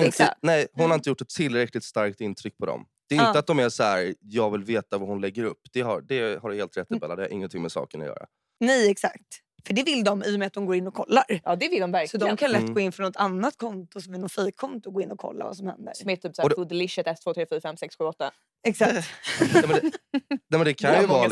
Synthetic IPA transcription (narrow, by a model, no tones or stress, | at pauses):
mɛnɛjh̪ʊnhaɾɪnt̪əjʊʈːɛt̪ʰːɪlːɾɛklɪt̪st̪aɾk̚t̪ɪnt̪ʰɾʏk̚ːpʰɔd̪ɔ̰md̪ɛːɪnəat̪̚d̪ɔmæʂɔhæɾjɑːɡvɪlveːt̪avaɾhʊnlɛɡːəɾɵpːd̪̥ɛɦa̰ɾɖɛɦaɾheːlt̪ɾɛt̪ːɪbɛlːad̪ɛhaɾʔɪ̰ŋːənt̪ʰɪŋmɛsɑ̰ːkənɔ̰jœ̰ːɾa̰ | nɛjɛksa̰kt̪ | fəɖɛvɪld̪ɔmɪjʊmɛat̪̚d̪ɔmɡoːɾɪnːɔkʰɔlːaɾjd̪ɛvɪld̪ɔmvæɾksɔd̪ɔmkʰanlɛt̪ɡɡoːɪnfɔnɔt̪ʰanːat̪kʰɔnt̪ʊsɔmɛlnɔfiːkʰːɔnt̪ʊɡoːɪnːɔkʰɔ̰lːa̰va̰sɔmhɛ̰nd̪ə̰sɾɔmɛt̪ʰyːpsad̪lɪʃɛt̪ɛst̪ʰvoːt̪ʰɾeːfyːɾafɛmsɛksɧʉːɔt̪ːa | ɛksak̪ɛmɛ | nɛmɛnd̪ɛkʰanjɵvɑː